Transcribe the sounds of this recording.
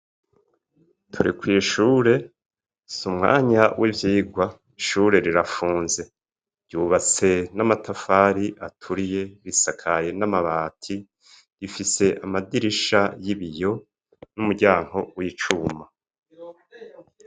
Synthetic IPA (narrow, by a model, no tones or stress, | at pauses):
tʰuɾikwiːʃuːɾe̞ | sumŋa̰ːɲawʔivjiːɡwa | iʃuɾe̞ɾiɾafuːnze̞ | ɾɟuːβat͡se̞namatʰafaɾiʔatʰuɾije̞βisakʰaje̞namaβaːtʰi | ɾifise̞ʔamadiɾiʃajiβijo̞ | numuɟaːŋ̥ho̞wit͡ʃuma